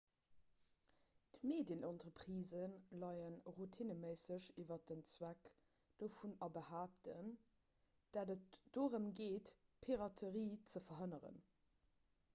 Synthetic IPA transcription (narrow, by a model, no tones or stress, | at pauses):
tmeːdjənʔɑntʁəpʁiːzənlɑɪənʁutʰinəməɪsəɕivɐdənt͡swæk | d̥ofunɑbəhaːp̚tən | d̥aːdətd̥oːʁəmɡeːt | pʰiʁɑtʰəʁiːt͡səfɐɦənəʁə̰n